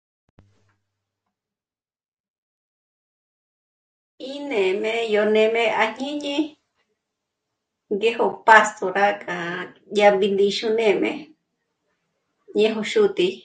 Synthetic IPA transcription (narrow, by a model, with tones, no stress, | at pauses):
i˦nẽ˨mẽ˧jo˧nẽ˧mẽ˧ʔa˧ɲĩ˦ɲĩ˦ | ɡe˦ho˧pa˧st̪ʰo˨ɾa˦kʼa˨ja˧mbi˧nd̪i˧ʃu˧nẽ˧˨mḛ̃˧ | ɲẽ˦ɦo˧ʃu˦t̪i˧